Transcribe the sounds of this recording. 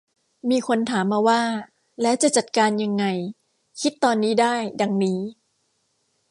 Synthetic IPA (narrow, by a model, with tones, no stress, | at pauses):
miː˧kʰo˧nt̪ʰaː˩˦mːaː˧waː˥˩ | lɛ˦˥wt͡ɕa˨˩t͡ɕa˨˩t̪̚kaː˧nja˧ŋːa˧j | kʰi˦˥t̪ːɔː˧nːiː˦˥daː˥˩jda˧ŋniː˦˥